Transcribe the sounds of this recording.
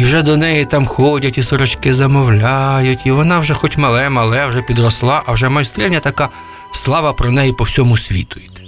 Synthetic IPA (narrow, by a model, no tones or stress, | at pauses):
iwʒɛd̪ɔnɛjit̪ɑmxɔdʲɐtʲisɔɾɔt͡ʃkɪzɐmɔwlʲajʊtʲiʋɔnɑwʒɛxɔtʲmɐlˠɛmɐlˠɛwʒɛpʲid̪rɔslˠɑʔɐwʒɛmɐjst̪ɾʲɛlʲnʲɐt̪ɐka | slˠɑʋɐpɾɔnɛjipɔwsʲɔmʊsʲʋʲḭt̪ʊjɪt̪